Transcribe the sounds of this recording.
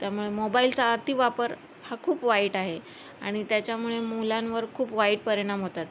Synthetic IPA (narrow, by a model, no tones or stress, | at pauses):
t̪jamuɭemobailt͡saːt̪ʰiʋapəɾ | hakʰuːpʋaiːʈaɦe | a̰ɽ̃it̪jat͡ɕjamuɭemulãnʋəɾkʰuːpʋaiːʈ̚pəɾeɽ̃amɦot̪at̪